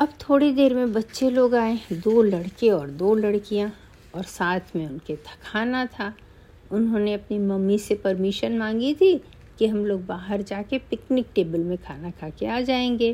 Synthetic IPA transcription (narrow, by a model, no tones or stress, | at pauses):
ɐbt̪ʰoːɽed̪eːɾmẽbɐtːʃeloːɡaːẽd̪oːlɐɽkeɔːɾd̪oːlɐɽkijã | ɔːɾsaːt̪ʰmẽʊnket̪ʰɐ̥kʰaːnat̪ʰa | ʊnɦõːneɐpnimɐmːisepɐɾmɪʃənmãːŋɡit̪ʰi | kiɦɐmloːɡ̚baːɦəɾd͡ʒaːkepɪknɪk̚ʈeːbəlmẽkʰaːnakʰaːkeaːd͡ʒaːẽːŋɡeː